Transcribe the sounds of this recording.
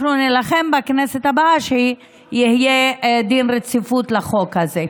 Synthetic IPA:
nunelaχe̞mbakneset̪habaʃe | jihijed̪inʁet͡sifut̪laχo̞khaze

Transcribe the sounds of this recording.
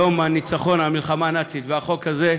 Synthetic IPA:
o̞manit͡saχo̞namilχamanat͡sit̪veaχo̞khaze

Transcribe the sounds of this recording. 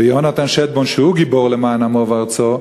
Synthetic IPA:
ejonat̪anʃɛt̪̚bonʃehuɡiboʁlemaːnamovaʁt͡so

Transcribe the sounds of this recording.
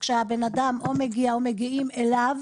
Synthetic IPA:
kʃehabe̞nadamʔo̞meɡiaome̞ɡiʔimelav

